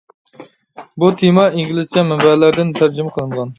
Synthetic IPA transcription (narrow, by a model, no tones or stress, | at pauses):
but̪ʰemɑiŋɡʲilɪzt͡ʃʰɛmɛmbælæɾd̪ɪnt̪ʰæɾd͡ʒɪmɛqʰəlˠɨnʁɑn